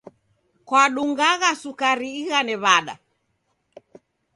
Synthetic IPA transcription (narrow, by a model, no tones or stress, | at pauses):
kwaɗuŋɡaɣasukaɾiːɣanɛβaɗa̰